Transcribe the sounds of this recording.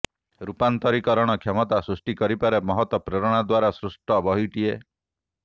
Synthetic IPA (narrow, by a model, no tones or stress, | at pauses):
ɾupant̪ɔɾikɔɾɔɽ̃ɔkʰjemɔt̪asɾusʈikɔɾipaɾemɔɦɔt̪wɔpɾeɾɔɽ̃ad̪waɾasɾusʈɔbɔɦiʈie